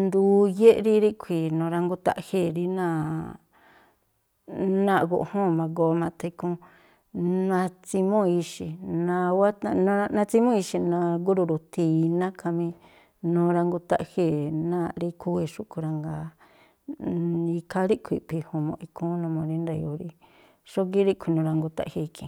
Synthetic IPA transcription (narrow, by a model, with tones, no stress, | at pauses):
nd̪u˧˦je˦ʔɾi˦ɾi˦kʷʰi˨nõː˨˧ɾa˧ŋɡu˧t̪a̰˦˧ʔhe˦˨ɾi˦nã˦˧˨ | nã˦ʔɡo̰˧ʔhõ˦˨mã˧ɡo˧˦mã˧t̪e˧i˧kũ˦ | nã˧t͡si˧mõ˦i˧ʃi˨nã˧wa˦t̪a˧ñ˧a˧nã˧t͡si˧˦mõ˦i˧ʃi˧nã˧ɡu˦ɾu˧ɾu˨t̪i˧˨˧nã˦kʰa˧mĩ˧ | nũ˧ɾa˧ŋɡu˧t̪a˦˧ʔhe˦˨nã˦˧ɾi˦kʰu˦e˧ʂu˦ku˧ɾa˧ŋɡa˨ | i˧kʰa˦ɾi˦kʷʰi˧˨pi˧hõ˧mõ̰˧i˧kʰũ˦nũ˧mõ˧ɾi˦nda˧˨jo˧˨ɾi˧ | ʂo˦ɡi˦ɾi˦kʷʰi˧nũ˧ɾa˧ŋɡu˧t̪a̰˦˧hi˧i˧kĩ˨˧